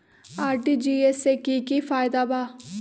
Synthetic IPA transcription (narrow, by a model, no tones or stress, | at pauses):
aːɾʈiːd͡ʒiːɛseːkiːkiːfʰaːɪd̪aːbaː